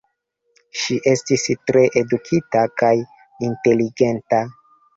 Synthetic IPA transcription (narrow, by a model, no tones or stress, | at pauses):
ʃiʔe̞stistɾe̞ʔedukʰitakaj | inte̞liɡe̞nta